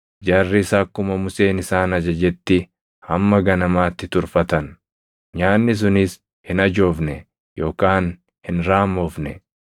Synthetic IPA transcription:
d͡ʒaːrːɪsaːkːʊmɐmʊse̞ːnɪsaːnɐd͡ʒɐd͡ʒɛt̪ːɪ | hɐmːɐɡɐnɐmaːt̪ːɪt̪ʊɾfɐt̪ɐn | ɲaːnːɪs̬ʊnɪs | hɪnɐd͡ʒo̞ːfnɛ | jo̞ːkaːn | hɪnɾaːmo̞ːfnɛ

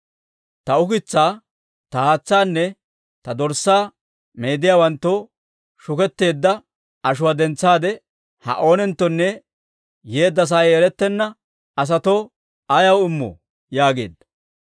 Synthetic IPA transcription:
t̪ɐʊkɪt͡sːaː | t̪ɐhaːt͡sːaːnːɛ | t̪ɐd̪ɔɾsaː | me̞ːd̪ɪjaːwɐnt̪ːo | ʃʊkɛt̪ːe̞ːd̪ːɐ | ɐʃ̬ʊwaːd̪ɛnt͡sːaːd̪ɛ | hɐ̰ʔo̞ːnɛnt̪ːɔnːɛ | jeːd̪ːɐs̬aːjɛɾɛt̪ːɛnːɐ | ɐs̬ɐt̪oː | ɐjɐwɪmːɔ̰ | jaːɡe̞̰ːd̪ːɐ̥

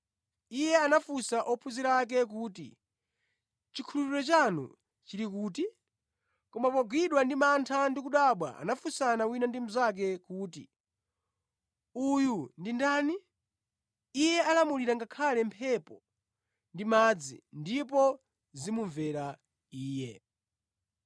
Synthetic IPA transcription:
ijɛanafusaʔɔpʰuziɾak̬ɛk̬uːtḭ | t͡ʃikʰulupiɾɔt͡ʃanṵ | t͡ʃiɾikuːti | kɔmapɔɡwiɗwandimantʰandikuɗaɓwa̰a̰nafusanawinandimuzak̬ɛkuːtḭ | ujundindaːni | jɛalamuliɾaŋɡakʰalɛmpʰɛpɔ | ndimad͡zḭndipɔ | zimuɱvɛɾa | iːjɛ

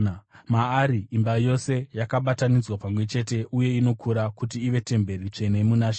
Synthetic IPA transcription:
maːɾiːmbajo̞se̞jakaɓatanid͡zwapamwe̞t͡ʃe̞t̬e̞ʔuje̞ino̞kʰuɾakut̬iːʋe̞te̞mbe̞ɾit͡ʂe̞ne̞munaʃ

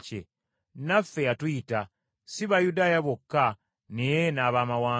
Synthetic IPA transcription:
ḛ | nafːe̞jatujita | siβajudaːjaβokːa | nejenaːβaːmawaː

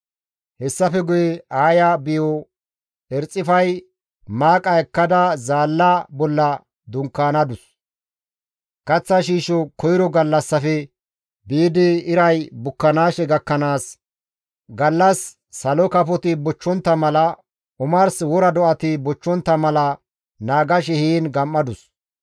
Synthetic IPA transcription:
hɛsːɐfɛɡʊjɛaːjɐbɪjɔ | ɛɾt͡sʼːɪfɐj | maːkʼɐɛkːɐd̪ɐzaːlːɐbɔlːɐ | d̪ʊŋkːaːnɐd̪ʊs | kɐt͡sːɐʃiːʃɔkɔjɪɾɔɡɐlːɐsːɐfɛ | biːd̪ɪɪɾɐjbʊkːɐnaːʃɛɡɐkːɐnaːs | ɡɐlːɐsː | ɐlɔkɐpɔt̪ɪbɔt͡ʃːɔnt̪ːɐmɐlɐ | ʔʊmɐɾswɔɾɐd̪ɔʔɐt̪ɪbɔt͡ʃːɔnt̪ːɐmɐlɐ | naːɡɐʃ̬ɛhiːnɡɐmːɐd̪ʊs

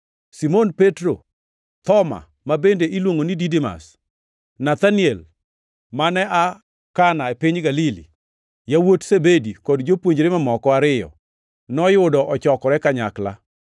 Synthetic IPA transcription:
simonpetɾo | t̪ɔma̰ | mabendeʔilwoŋonididima̰s | nat̪aniɛl | manɛʔa | kanaepɪɲɡalilḭ | jawotsebedikɔdd͡ʒopwoɲd͡ʒɾemamɔkɔaɾɪjɔ̰ | nɔjʊdɔʔɔt͡ʃɔkɔɾɛkaɲakla̰

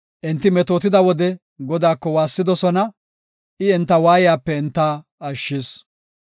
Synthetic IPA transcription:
ʔɪnt̪ːɪmɛt̪oːt̪ɪd̪ɐwɔd̪ɛ | ɡɔd̪aːkːɔwaːsːɪd̪ɔsɔnɐ | ʔɪɪnt̪ːɐwaːjɪjaːpːɛɪnt̪ːaːɐʃːɪs

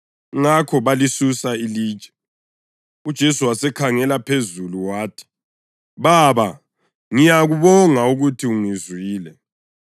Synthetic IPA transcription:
ŋakʰɔβalisusaili̥ːt͡ʃʼɛ̥ | ud̥ʒ̥ʱesuwasɛkʰaŋɛlapʰezuluwaːtʰi̥ | βaβa | ŋijaɣuβɔŋauɣutʰiuŋizwiːlɛ

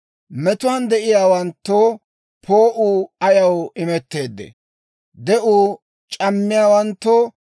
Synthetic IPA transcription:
mɛt̪ʊwand̪ɛʔɪjaːwɐnt̪ːoː | pʰoːʔuːɐjɐwɪmɛt̪ːe̞ːd̪ːɛ̰ | d̪ɛʔuː | t͡ʃʼɐmːɪjaːwɐnt̪ːo

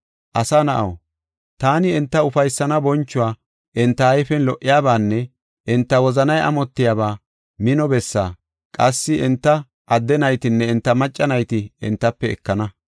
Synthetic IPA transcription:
ʔɐsanɐʔɐ̰w | t̪aːnɪɛnt̪ːɐʊfɐjsːɐnɐbɔnt͡ʃːʊwaː | ʔɛnt̪ːɐɐjfɛnlɔʔːɪjaːbaːnːɛ | ʔɛnt̪ːɐwɔzɐnɐjʔɐ̰mɔt̪ːɪjaːbaː | mɪnɔbɛsːa̰ː | kʼɐsːɪʔɛnt̪ːɐ | ʔɐd̪ːɛnɐjt̪ɪnːɛɛnt̪ːɐmɐt͡ʃʼːɐnɐjt̪ɪɛ̰nt̪ːɐpːɛɛ̰kːɐnɐ

